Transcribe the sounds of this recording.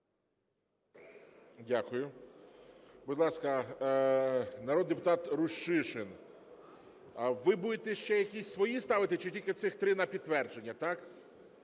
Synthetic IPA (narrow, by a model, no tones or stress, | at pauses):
dʲakʊjʊ | bʊd̪lˠɑskɐ | nɐɾɔd̪d̪epʊt̪ɑt̪ɾʊʃt͡ʃɪʃɪn | ɐʋɪbud̪et̪ɛʃt͡ʃɛjɐkʲisʲsʋɔjist̪ɑʋɪt̪ɪt͡ʃɪtʲilʲkɪt̪sɪxt̪ɾɪnɐpʲid̪t̪ːʋɛrd͡ʒenʲːɐt̪ɑk